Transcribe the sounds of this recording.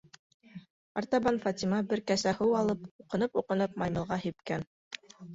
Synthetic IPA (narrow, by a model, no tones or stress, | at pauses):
ɑɾt̪ɑβɑnfɑt̪ʲimɑbɘɾkæsæhɤwɑlˠɤpuqɤ̆nɤpuqɤ̆nɤp̚mɑjmɤ̆lˠʁɑhipkæn